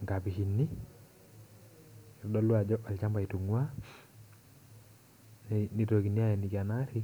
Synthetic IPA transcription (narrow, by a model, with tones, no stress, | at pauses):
ŋɡa˨pi˨ki˨nːi˦ | i˨ɾdɔ˦lwa˨d͡ʒɔ˦a˨lt͡ʃa˦mba˨i˨tu˨ŋu˦a˦ | nni˦to˨ki˨ni˦a˦ɛ˨ni˨ka˨na˦ɾi˦